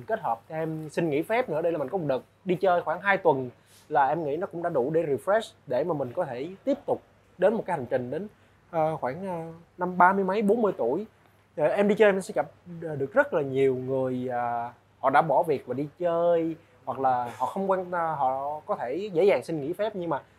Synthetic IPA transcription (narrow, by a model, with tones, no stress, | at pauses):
ke˦˥t̚həː˨˩p̚t͡ɕʰɔ˧ʔɛ˧msï˧ŋ̟ŋḭ˧˥fɛ˦˥p̚nɨ̰˧˥ə˦˧ɗə˧jla˨˩mi˨˩ŋkɔ˧˦˩ɗə˨˩t̚ɗi˧t͡ɕəː˧jxwaː˧˩ŋɦaː˧jt̪wə˨˩n | laː˨˩ʔɛ˧mŋḭ˧˥nɔ˨˦kʊ˧˥ŋ͡mɗa̰ː˧˥ɗu˧˩ɗe˧˩ɾi˨˩fɾɛ˦˥sɗe˧˩maː˨˩mï˨˩ŋ̟kɔ˨˦t̪ʰe˧˩t̪i˦˥əp̚t̪ʊ˨˩k͡p̚ | ɗe˨˦nm̚˨˩kaː˨˦jha˨˩ŋ̟t͡ɕï˨˩ŋ̟ɗe˨˦n | ʔəː˨˩xwaː˧˩ŋː˧˩na˧mɓaː˧mɨ˧əjmə˨˦jɓo˨˦nmɨ˧əjt̪u˧˩əj | ʔɛ˧mɗi˧t͡ɕəː˧jmɛ˧nsɛ̰˧˥t͡ɕə˨˩p̚ːɗɨ˨˩ək̚zə˦˥t̚laː˨˩ɲi˨˩əwŋɨ˨˩əjəː˨˩ | hɔ̰˧˨ɗa̰ː˧˥ɓɔ˧˩vi˨˩ək̚vaː˨˩ɗi˧t͡ɕəː˧j | hwa˨˩k̚laː˨˩hɔ̰˧˨xə˧wŋ͡mkwɛ˧n˧ɦɔ̰˧˨kɔ˨˦t̪ʰe˧˩zḛ˧˥zaː˨˩ŋsï˧ŋ̟ŋḭ˧˥fɛ˦˥p̚ɲɨ˧ŋmaː˨˩